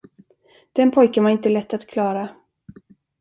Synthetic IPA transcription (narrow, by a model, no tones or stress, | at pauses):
d̪̥ɛnpʰɔjkənvaɾɪnt̪əlɛt̪ːat̪kʰlɑːɾa